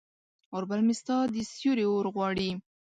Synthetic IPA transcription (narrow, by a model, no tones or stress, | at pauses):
ʊɾbalmɪst̪ɑd̪isjuɾeoɾɣwɑɽi